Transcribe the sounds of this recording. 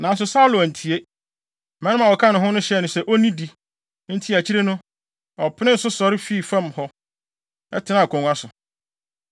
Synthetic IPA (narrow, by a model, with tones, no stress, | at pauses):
nã˨n˦s̬ʊ˨saː˦lo˨æ˨n̩˨tʰi˨e˦ | mɛ̃˦nʊ̃˦mã˨wɔ˨kʰã˦nʊ̃˨ɦʊ̃˦nʊ̃˦ɕɛ˨nʊ̃˨sɛ˨˦ʔɔ˦nĩ˦di˨ | n̩˦tʰi˦æ˨t͡ɕʰi˦ɾe˦nʊ̃˦ | ɔ˨pʰɪ˦nɪ̃˦n̩˨sʊ˦sɔ˨ɾɪ˦fi˦˨fã˦˨mhɔ˦ | ɛ̰˦tʰɪ˨nã˨kʰɔ̃˨ŋa˦sʊ˨